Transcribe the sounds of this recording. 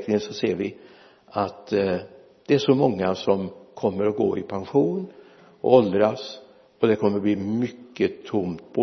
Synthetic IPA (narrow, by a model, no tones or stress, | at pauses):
knɪŋənsɔseːɾvɪ | at̪ | d̪̥ɛæʂɔmɔŋːasɔmkʰɔmːəɾɔɡo̰ːɪpʰanɧuːn | ɔ̰ɔld̪ɾas | ɔd̪ɛkʰɔmːəɾɔbliːmʏkːət̪ʰʊmt̪̚pʰo